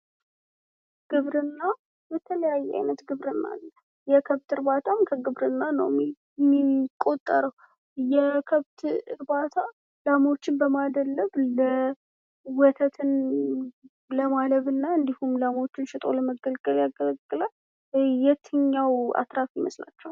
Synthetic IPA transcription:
ɡ̥ɨβɾɨnːa | jɛt̪ʰələjajːɛʔa̰jnət̪ɡɨβɾɨnːa̰lːə | jɛkʰəβt̪ɨɾbat̪ʰamkʰəɡɨβɾɨnːanə̰w | mikʼo̞t̪ʼːəɾəw | jɛkʰəβt̪ɨɾbat̪ʰa | lamot͡ʃːɪnbəmad̪əlːəβlə | wɔt̪ʰət̪ʰɨn | ləmaləβɨnːaɨnd̪ihumlamo̞t͡ʃːɪnʃɪt̪ʼo̰ləməɡəlkʼəljaɡələɡʼːɨla | jɛt̪ʰɨɲːawa̰t̪ɾafjɪməsla̰t͡ʃːɛw

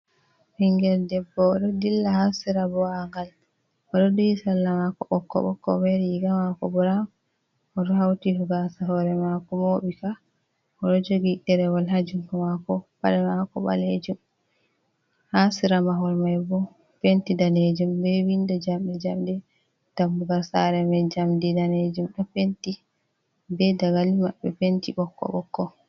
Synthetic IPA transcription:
hiŋɡɛldɛbːɔɗɔdilːahasiɾabɔaŋɡal | ɔɗɔdujisalːamakɔʔɔkːɔ̰ɓɔkːɔ̰mɛɾjiɡamakɔ̰bɔɾam | ɔɗɔhawtihuɡasaɦɔɾɛmakɔmoːɓika | ɔɗɔd͡ʒoɡiɗɛɾɛwalɦad͡ʒuŋkɔmakɔpaɾɛmakɔ̰ɓa̰led͡ʒum | hasiɾamaɦɔɾmajbɔ | pentidaned͡ʒumbɛwindɔd͡ʒamɗɛd͡ʒamdɛ | d̥amːuɡalsa̰ɾɛmad͡ʒamdidaned͡ʒumɗɔpenti | bɛdaɡalimaɓːɛ̰pentiɓɔkːɔ̰ɓɔ̰kːɔ

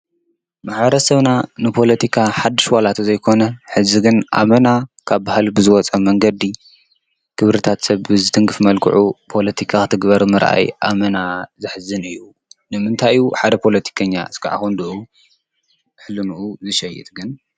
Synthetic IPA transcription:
maħβɐɾɐsɐβnanɨpʰo̞lɐt̪ʰikʰaħad̪ːɨʃwalat̪zɐjkʰo̞nɐħɨziɡɨnʔa̰mɐnakʰaβbahlbɨzɨwɔt͡sʼɐmɐŋɡɐd̪i | kʰɨβɾɨt̪ʰat̪sɐβbɨzɨt̪ʰɨŋɡɨfmɐlkʰɨ̰ʕupʰo̞lɐt̪ʰikʰakɨt̪ʰɨɡbɐɾmɨɾʔa̰jʔamɐnazɨħzɨnɨjːu | nɨmɨnt̪ʰajuħad̪ɐpʰo̞lɐt̪ʰi̥kʰɐɲːa̰ɨskʰɨʕa̰xond̪ɨʔu | ħlɨnuʔuzɨʃɐjɛ̰t̪̚ʼɡɨn

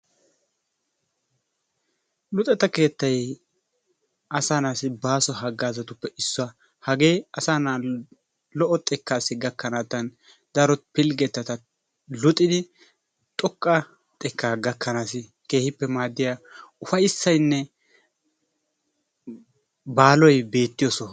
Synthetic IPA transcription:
lʊt̪ʼɛt̪ɐke̞ːt̪ːɐj | ɐsaːnaːsɪbaːsɔɦɐɡːaːzɐt̪ʊpːɛʔɪsːɔɐ | hɐɡe̞ːɐsaːna | lɔʔɔt̪ʼːɛkːaːsɪɡɐkːɐnaːt̪ɐn | d̪ɐɾɔt̪pɪlɡɛt̪ːɐt̪ɐ | lʊt̪ʼːɪd̪ɪ | t̪ʼɔkʼːɐ | t̪ʼɛkːaːɡɐkːɐnaːsɪ | ke̞ːhɪpːɛmaːd̪ːɪjaʊfɐjɪsːɐjnːɛ | baːlɔjbe̞ːt̪ːɪjɔsɔ

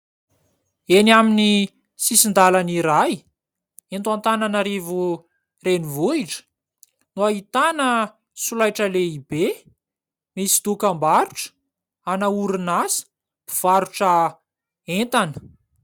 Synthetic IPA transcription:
enamini | sisind̪alaniɾaj | ent̪uant̪ananaɾivu | renivuiʈ͡ʂə̥ | nuaɦit̪anə | sulajʈ͡ʂəleibe | misi̥d̪ukambaɾu̥ʈ͡ʂə̥ | anauɾinasə̥ | b̥i̥v̥aɾuʈ͡ʂa | ent̪anə̥

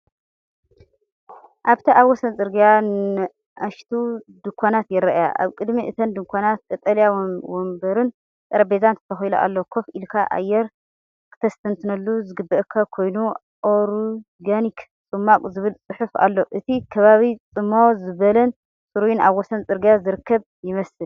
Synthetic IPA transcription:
ʔaβt̪ʰiʔaβwːɔsɐnt͡sʼɨɾɡijan | ʔaʃt̪ʰud̪ɨkʷʰanat̪jɪɾɐʔja̰ʔa̰βkʼɨd̪miʔɨt̪ʰɐnd̪ɨŋkʰʷanat̪̚kʼɐt̪ʼɐljawombɐɾɨn | t̪ʼɐɾɐbezant̪ʰɨ̥t̪ʰɐxiluʔa̰lːokʰofilkʰaʔa̰jːɛɾ | kʰɨ̥t̪ʰɐst̪ʰɐnt̪ʰɨnɐlːuzɨɡɨbːɐʔɨkʰːakʰo̞jnu | ʔoɾu | ɡanik | t͡sʼɨmːakʼzɨβɨlt͡sʼɨħufa̰lːo̞ʔɨt̪ʰikʰɐβaβit͡sʼɨmːozɨβɐlɐn | sʼuɾujunaβːosɐnt͡sʼɨɾɡijazɨɾɨkʰːɐβ | jɪmɐsɨl

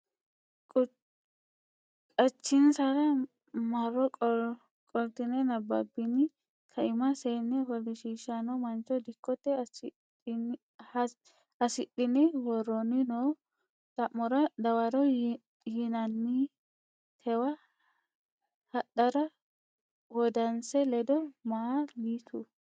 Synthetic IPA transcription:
kʼɐt͡ʃːɪnsɐɾɐ | mɐrːɔ | kʼɔlt̪ɪnɛnɐbːɐ̰bɪnɪ | kʰɐɪmɐseːnːɛwɔlɪʃiːʃːɐnɔmɐnt͡ʃːɔd̪ɪkːɔt̪ːɛ | ɐsɪtːɪnɪwɔɾːɔnɪnoː | t̪ʼɐʔːɔɾɐd̪ɐwɐɾɔ | hɪnɐnːɪ | t̪ʰɛwɐ | hɐɗːɐɾɐ | wɔd̪ɐnsɛlɛd̪ɔmaliːt̪ʰu

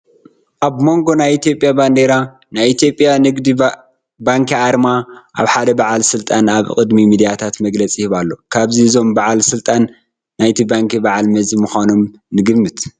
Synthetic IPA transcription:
ʔaβmo̞ŋɡo̞najit̪ijo̞pʼjaband̪eɾa | najit̪ʰjo̞pʼːjanɨɡd̪i | baŋkʰiaɾmaʔa̰βħad̪ɐbaʕalsɨlt̪ʼanaβkʼɨd̪mimid̪ijat̪ʰat̪mɐɡlɐt͡sʼihɨβalːo̞kʰaβziɨzo̞mbaʕalsɨlt̪ʼanː | ajt̪ʰibaŋkʰibaʕalmɐzimuxʷano̞m | nɨɡɨmːɨt̪

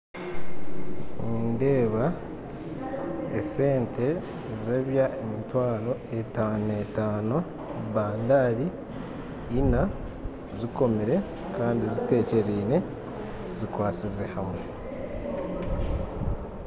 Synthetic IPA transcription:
inde̞ːβa | ese̞ːntʰe̞ | zeβjaʔemitwaːlo̞etaːne̞taːno | βaːndaːɾiː | na | ziko̞miɾe̞ | kaːndizite̞ːce̞ɾiːne̞ | zikwaːt͡sizehamwe

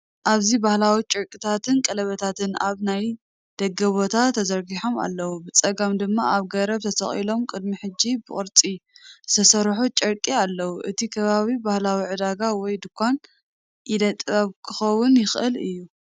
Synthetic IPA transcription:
ʔaβzibahlawit͡ʃʼɨɾkʼit̪ʰat̪ʰɨnkʼɐlɐβɐt̪ʰat̪ʰɨna̰βnaj | d̪̥ɐɡːɐβo̞t̪ʰat̪ʰːɐzɐɾɡiħo̞ma̰lːɐwubɨt͡sʼɐɡɐmd̪ɨmːaʔaβɡɐɾɐβt̪ʰɐsʰɐχʼḭlo̞mkʼɨd̪miħɨd͡ʒːibɨχʼɨɾt͡sʼizɨ̥t̪ʰɐsɐɾħut͡ʃʼɨɾkʼialːɐwuʔɨt̪ʰikʰɐβaβibahlawiʕɨd̪aɡawɔjd̪ɨkʰʷːan | ʔid̪ɐt̪ʼβɐβkʰɨxɐwʊnjɪxʔɨlɨjːu

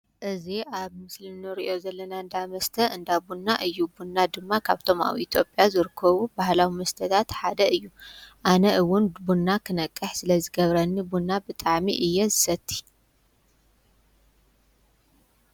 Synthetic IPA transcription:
ʔɨziʔaβmɨsliɨɾiʔo̞zɐlːɐnaɨnd̪amɐst̪ʰɐɨnd̪abunːaʔɨjːubunːad̪ɨmːakʰaβt̪ʰo̞ma̰wiʔit̪ʰjo̞pʼjazɨɾɨkʰːɐβubahlawimɐst̪ʰɐt̪ʰat̪ħad̪ɐɨjːuʔanɐʔɨwʊnbunːakʰɨnɐkʼːɨħsɨlɐzɨɡɐβɾɐnːibunːabɨt̪ʼaʕmiʔɨjːɛzɨsɐt̪ʰːi̥

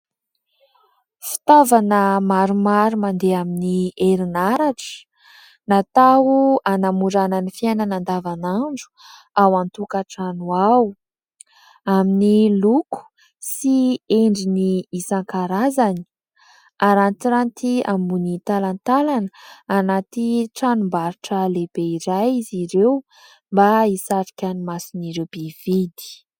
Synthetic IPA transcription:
fi̥t̪avanəmaɾumaɾumand̪eaminieɾinaɾaʈ͡ʂə̥ | nat̪auanamuɾananifiajnanand̪avanaɳɖ͡ʐu̥ | awant̪ukaʈ͡ʂanuaw | aminiluku̥ | sieɳɖ͡ʐiniːsaŋkaɾazani̥ | aɾant̪iɾant̪iambunit̪alant̪alanəanat̪iʈ͡ʂanumbaɾuʈ͡ʂəlebeiɾajiziɾew | mbaisaɾikʲanimasiniɾewb̥ev̥id̪i̥

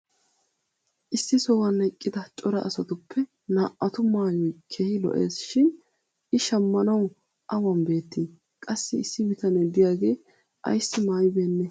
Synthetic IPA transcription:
ʔɪsːɪsɔwɐnɛkʼːɪd̪ɐt͡ʃʼɔɾɐʔɐsɐt̪ʊpʰːɛ | naːʔɐt̪ʊmaːjɔjkʰeːhɪlɔ̰ʔḛːsʃɪn | ɪʃɐmːɐnɐw | ʔɐwɐmbe̞ːt̪ːi | kʼɐsːɪɪsːɪbɪt̪ɐnɛd̪ɪjaːɡeː | ʔɐ̰jsːɪmaːjbeːnːɛ

